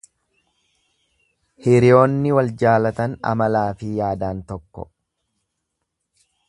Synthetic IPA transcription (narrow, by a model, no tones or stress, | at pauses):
hɪɾɪjo̞ːnːɪwɐld͡ʒaːlɐt̪ɐnɐ̰mɐlaːfɪjaːd̪aːnt̪ɔkːɔ̰